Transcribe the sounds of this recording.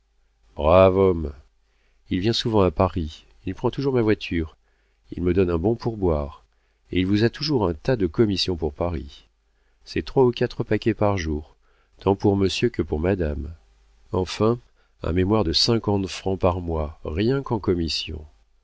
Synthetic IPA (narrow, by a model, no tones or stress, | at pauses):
bʁavɔm | ilvjɛ̃suvɑ̃apaʁi | ilpχɑ̃t̪uʒuʁmavwat̪ʰyːʁ | ḭlməd̪ɔnɛ̃bɔ̃puʁbwaʁ | eilvuzat̪uʒuʁɛ̃t̪ad̪əkɔmisjɔ̃puʁpaʁḭ | sɛt̪χwaukʲat̪χəpakʲɛpaʁʒuːʁ | t̪ɑ̃puʁməsjøkəpuʁmad̪am | ɑ̰̃fɛ̃ | ɛ̰̃memwaʁd̪əsɛ̃kɑ̃t̪fχɑ̃paʁmwaʁjɛ̃kɑ̃kɔmisjɔ̰̃